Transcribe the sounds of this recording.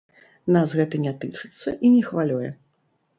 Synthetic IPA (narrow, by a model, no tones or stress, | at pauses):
nasɣɛt̪ɨnʲat̪ɨt͡ʂɨt̪sːɐʔinʲɛxvalʲɔjɛ̰